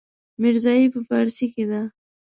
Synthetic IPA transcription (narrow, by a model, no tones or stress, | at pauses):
mɪɾzɑipəfaɾsiked̪a